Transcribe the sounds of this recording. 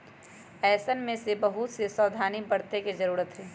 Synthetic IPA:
ɛːsənmẽsebɐɦut̪sesɔːd̪ʱaːnibɐɽt̪ekizɐɾuːɾət̪ɦɛː

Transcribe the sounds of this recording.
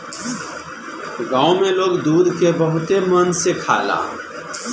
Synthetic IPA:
ɡãːʊmeloːɡd̪uːd̪ʱkebəɦʊt̪emənsekʰa̰ːla̰ː

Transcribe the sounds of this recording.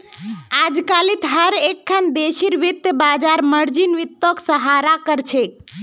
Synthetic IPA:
ad͡ʒkalit̪ɦəɾekʰːand̪eʃiɾʋit̪ːjəbad͡ʒaɾməɾd͡ʒinʋit̪ːɔksəɦaɾakəɾt͡ʃʰe

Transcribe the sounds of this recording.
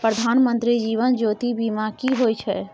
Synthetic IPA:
pɾəd̪ʱanmənt̪ɾid͡ʒiʋənd͡ʒot̪ibimakiɦojt͡ʃʰɛ

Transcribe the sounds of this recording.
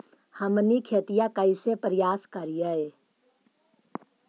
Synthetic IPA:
həmnikʰeːt̪ijakəisepɾɪjaːskəɾijəe

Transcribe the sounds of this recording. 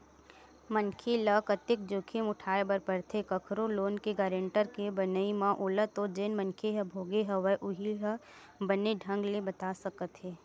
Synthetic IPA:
mənkʰeləkət̪ɪk̚d͡ʒoːkʰemʊʈʰaːebəɾpəɾt̪ʰekəkʰɾoloːnkeɡaːɾẽːɳʈəɾkebənəimãʔʊːlət̪od͡ʒeːnmə̃nkʰeɦɛbʱoːɡeɦɛʋəʔʊɦiɦə | bəneɖʱɐ̃ŋɡlebɐt̪aːsɐkət̪ɦeː

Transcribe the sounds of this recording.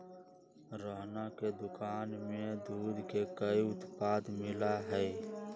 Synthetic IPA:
ɾəɦnaked̪ʊkaːnmẽd̪uːd̪ʱkekəiʊt̪paːd̪mɪlaɦɛː

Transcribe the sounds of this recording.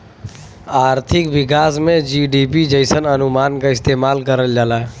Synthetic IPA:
aɾt̪ʰikbikasmed͡ʒiɖipid͡ʒəɪsənənumankəist̪emalkəɾəld͡ʒala

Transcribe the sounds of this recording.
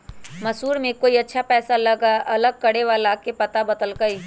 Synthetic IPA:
mɐsuːɾmẽkoːiɐtːʃʰapɛːsaləɡaɐləɡ̚kɐɽeʋalaːkepɐt̪abɐd̪əlɡɐi

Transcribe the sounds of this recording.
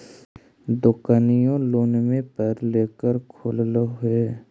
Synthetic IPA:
d̪ʊkanijõloːnmẽpəːɾleːkəɾkʰoːllɦʊeː

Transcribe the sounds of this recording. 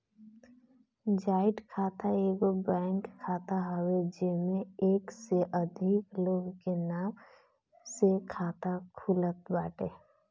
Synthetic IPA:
d͡ʒaːɪʈkʰaːt̪aeːɡobɛːŋkkʰːaːt̪aɦəwed͡ʒemẽeːkseʔəd̪ʱikloːɡkenaːm | sekʰaːt̪akʰulət̪̚baːʈe

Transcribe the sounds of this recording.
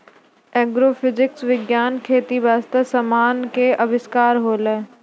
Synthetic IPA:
ɛːɡɾoːfʰɪzɪksʋɪɡjaːnkʰeːt̪iʋaːst̪əsɐmaːnkeɐbɪskaːɾɦoːleː

